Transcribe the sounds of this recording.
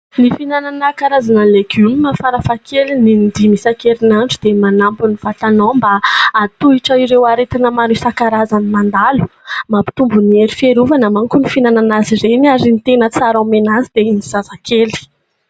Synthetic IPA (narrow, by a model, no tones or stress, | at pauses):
nifinananakaɾazanəleɡumimafaɾafakʰelinind̪imisakelinanʈ͡ʂud̪emanampuniv̥atanombaːt̪uiʈ͡ʂəiɾewaɾet̪anəmaɾisakaɾazanimand̪alu̥mapi̥t̪umbunieɾifeɾuvanamaŋkunifinananaziɾenaɾinit̪enət͡saɾamenazid̪einiz̥azakeli̥